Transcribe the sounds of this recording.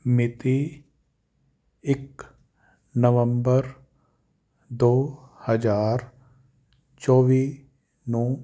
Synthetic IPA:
mɪt̪i | ɪk | nəʋə̃mbəɾ | d̪oːhəd͡ʒaːɾ | t͡ʃɔːʋi | nɔː

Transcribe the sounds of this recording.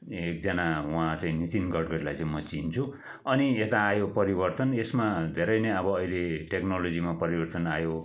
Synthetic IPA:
ek̚d͡zʌnawãt͡sãĩnit̪inɡʌɖɡʌɽlajt͡sãĩmʌt͡sint͡sʰu | ʌniet̪aːjopʌɾibʌrt̪ʌnesmad̪ʱeɾʌjnʌjʌbʌːileʈeknolod͡zimapʌɾibʌrt̪ʌnajo

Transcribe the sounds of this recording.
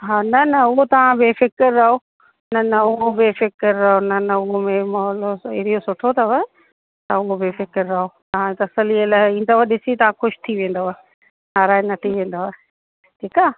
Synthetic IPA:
ɦaːnɐnɐʊɦot̪ɐʋ̤ãbefɪkəɾːɐɦo | nɐnɐʊɦobɪfɪkəɾːɐɦonɐnɐʊɦomẽmɐɦɔːloɪɾijosʊʈʰot̪ʰɐʋɐ | t̪aʊɦobɪfɪkəɾːɐɦot̪ɐ̤ãt̪ɐsəliəlaːɪĩːn̆d̪aaːɗɪsit̪ɐʋ̤ãxʊʃt̪ʰiʋẽːn̆d̪oʋaː | naːɾaːɪnɐt̪ʰiʋẽːn̆d̪oʋaɪ | ʈʰiːkaː

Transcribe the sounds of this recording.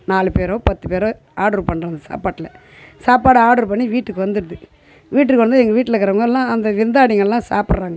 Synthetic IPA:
naːlɯpeːɾõːpɐt̪ːɯpeːɾoː | aːɽɔɾpɐɳːɾaːnd̪ɐsa̰ːpaːʈːɪlɐ | saːpaːɽɯaːɽɔɾpɐɳːiʋiːʈːɯkːɯʋɐnd̪ɯɾɯðɯ | ʋiːʈːɯkːɯʋɐnd̪ɛŋɡɐʋiːʈːɪlɐkːɐɾɐʋɐŋɡɐlːãːɐnd̪ɐʋɪɾnd̪aːɽɪŋɡɐɭɛlːãːsa̰ːpɪɽɾaːŋɡɐ

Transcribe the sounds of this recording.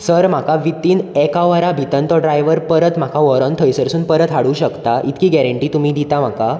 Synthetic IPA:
səɾm̤akaʋit̪iːnekaʋəɾabʱit̪ənt̪ɔɖɾajʋəɾpəɾət̪m̤akaʋəɾɔ̃nt̪ʰəjsəɾsuːnpəɾət̪ɦaɽuːɕəkt̪aʔit̪kiːɡɛɾəɳʈiːt̪umiːd̪it̪am̤aka

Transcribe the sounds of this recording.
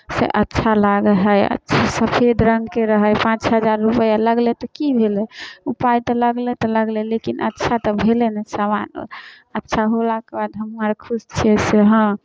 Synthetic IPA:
sḛʔətːʃʰalaɡəɦəjə̰tːt͡ʃʰasəpʰed̪ʱɾəŋɡkeɾəɦəjpãt͡ʃɦəd͡ʒaɾːupəjaləɡlet̪ɔkibʱelɛupajt̪ɔləɡlɛt̪ɔləɡlelekinʔə̰tːʃʰat̪ɔbʱelenɛsamano̰ | ətːʃʰaɦolakebad̪ɦəmːəɾkʰust͡ʃʰɛseɦə̃

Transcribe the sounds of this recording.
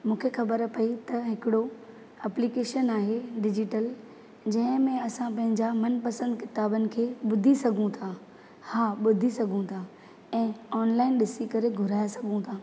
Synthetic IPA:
mũːkʰexɐbəɾpɐit̪ɐɦɪkɪɽo | ɛplikeːʃənaːɦeɖɪd͡ʑɪʈəl | d͡ʑɐ̃ɦɪ̃mẽɐsãpɐ̃ɦɪ̃ɲd͡ʑamɐnpɐsə̃nd̪kɪt̪aːbənɪ̆kʰeːɓʊd̪ʱisɐɡʱũt̪ʰa | haːɓʊd̪ʱisɐɡʱũt̪ʰaː | ɛ̃ːɔːnlaːɪnɗɪsikɐɾeɡʱʊɾaːjasɐɡʱũt̪ʰaː

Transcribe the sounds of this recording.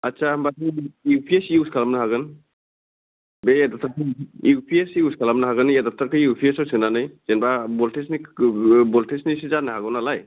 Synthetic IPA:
atsambatiiwpʰiesiuskʰalamnɯɦaɡɯn | beedap̚tʰakʰɯiwpʰiesiuskʰalamnaɦaɡɯnjedap̚tʰakʰɯjiwpʰiesawsiknanɯjzenbabɔltesnibɔltesnisizanahaɡɯwnalaj

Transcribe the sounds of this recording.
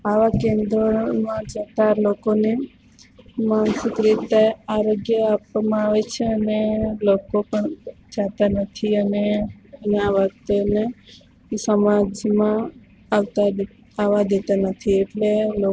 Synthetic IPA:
aʋakẽnd̪ɾomãd͡ʒat̪alokone | mansɪkɾit̪eaɾoɡjəapmãaʋet͡ʃʰeənelokopəɳd͡ʒat̪anət̪ʰiənenaʋəkt̪ene | səmad͡ʒmãː | ʋt̪a | aʋad̪et̪anət̪ʰieʈlelo

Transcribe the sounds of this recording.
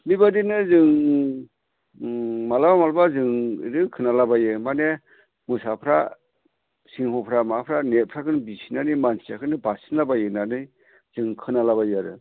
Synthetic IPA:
mibadinɯzɯŋ | malabamalbazɯŋḭɾɯkʰɯnalabajɯmane | musapʰɾa | siŋhɔpʰɾamapʰɾanet̚pʰɾakʰɯnbisinanɯjmansʰiakʰɯnɯbasinabajɯnanɯj | z̥ɯŋkʰɯnalaβajɯaɾɯ

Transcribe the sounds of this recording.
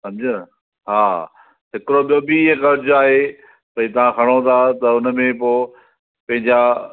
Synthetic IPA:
sɐ̃md͡ʑə | ɦaː | ɦɪkɪɾoɓijobiɦẽkɐɾd͡ʑʊaːɦe | pɐĩt̪ɐʋ̤ãxʰɐɽ̃ot̪ʰat̪ɐʊnmẽpoː | pɐ̃ɦɪ̃ɲd͡ʑa

